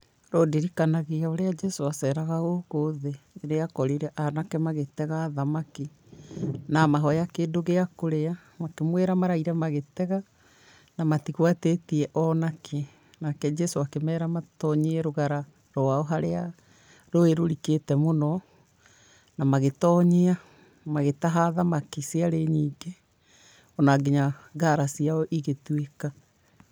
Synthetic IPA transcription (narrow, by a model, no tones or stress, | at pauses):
ɾodiɾikanaɣeaoɾead͡ʒɛsoasɛɾaɣaɣoɣoðeɾeakɔɾeɾɛʔanakɛmaɣetɛɣaːðamaki | namaɦɔjakeːndoɣeakoɾea | makemwɛɾamaɾaiɾɛmaɣetɛɣa | namatiɣwatetiɛʔɔnakʰɛ | nakɛd͡ʒɛsoakemɛːɾamatɔɲeɛɾoɣaɾa | ɾɔwaɔɦaɾea | ɾoeɾoɾiketɛmonɔ | namaɣetɔːɲea | maɣetaɦaðamakiseaɾeɲiːŋɡe | ɔnaɡeɲaɡaɾasiaɔʔiɣetweka